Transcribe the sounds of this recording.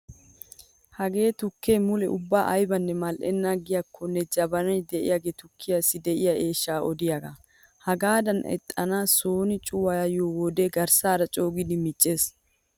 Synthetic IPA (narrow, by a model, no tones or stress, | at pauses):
hɐɡe̞ːt̪ʊkʰːeːmʊlɛʔʊbːaːʔɐjbɐnːɛmɐlʔɛ̰nːaːɡɪjakʰːɔnːɛd͡ʒɐbɐnɐjd̪ɛʔɪ̰jaɡet̪ʊkʰːɪjasːɪd̪ɛʔɪjaʔe̞ːʃːaːʔɔd̪ɪjaɡɐ | hɐɡaːd̪ɐnɛ̰t̪ʼːɐnaːsoːnɪt͡ʃʼʊwɐjɐjoːwɔd̪eːɡɐɾsaːɾɐt͡ʃʼoːɡɪd̪ɪmɪt͡ʃʼːe̞ːs